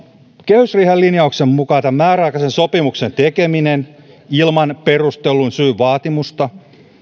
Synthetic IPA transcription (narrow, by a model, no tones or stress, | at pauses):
kehysriːhælːinjɑuksemmukɑːt̪ɑmmæːrɑːkɑsensopimukse̞nt̪ekeminen | ilmɑnpe̞rust̪elːunsyːʋɑːt̪imust̪ɑ